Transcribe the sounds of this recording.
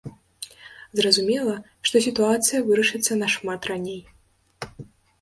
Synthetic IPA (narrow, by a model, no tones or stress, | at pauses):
zrɐzumʲɛlˠɐ | ʂt̪ɔsʲit̪uat̪sɨjɐvɨɾɐʂɨt̪sːɐnɐʂmat̪ranʲej